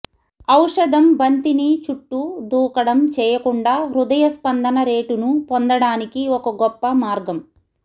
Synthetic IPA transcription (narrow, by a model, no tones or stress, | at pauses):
ɐwʂɐd̪ɐmbɐnt̪init͡ʃuʈːud̪uːkɐɽɐmt͡ʃɛːjɐkuɳɖaːɾud̪ɐjɐspɐnd̪ɐnɐɾe̞ːʈunupond̪ɐɽaːnikiɔkɐɡɔpːɐmaːɾɡɐm